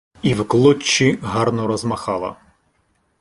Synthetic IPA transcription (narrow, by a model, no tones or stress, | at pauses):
iwklˠɔt͡ʃːiɦɑrnɔɾɔzmɐxɑlˠɐ̰